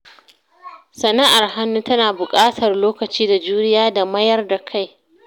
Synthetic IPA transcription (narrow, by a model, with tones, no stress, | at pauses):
sɐ˨na˦ʔa˨rɦa˦nːuː˦tɐ˦naː˨bʊ˨kʼaː˦tʰɐ˨rloː˦kɐ˨t͡ʃiː˦da˨d͡ʒuː˦nɪ˦jaː˦da˨mɐ˦jɐ˦rda˨kʰa˦˨j